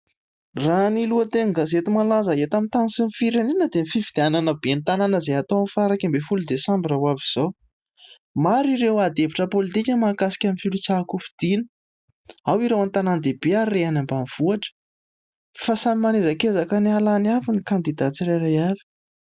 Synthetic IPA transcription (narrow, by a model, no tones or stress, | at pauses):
raniluət̪eŋɡazet̪imalazəet̪amint̪anisinifiɾaninəd̪emifivid̪eananəbent̪ananəzeat̪owmfaɾakambefulud̪esãmbirawaviz̥ow | maɾiɾewad̪eviʈ͡ʂəpolit̪ikʲəmakasi̥kʲamifilut͡sakufi̥d̪̥inə̥ | awiɾewant̪anand̪ebeaɾːeanambamv̥uaʈ͡ʂə̥ | fasamimanezakezakənialanavinikand̪id̪at͡siɾeɾajavi̥